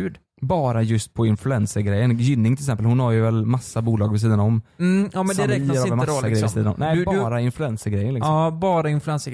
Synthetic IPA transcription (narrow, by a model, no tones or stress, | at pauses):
ʉːd̪ | bɑːɾajɵst̪̚pʰɔɪnflɵɛnsəɾɡɾɛjːənjʏnːɪŋʰɪlɪksɛmpəlhʊnhaɾjɵvɛlmasːabuːlɑːɡvɪs̬iːd̪anɔm̩ːɑːmɛnd̪ɾɛːk̪ːmːaɡɡɾɛjəɪsiːd̪anɔ̰mnːbɾaɪnflʉɛnsəɾɡɾɛjːənlɪksɔbɑːɾaɪnflʉɛns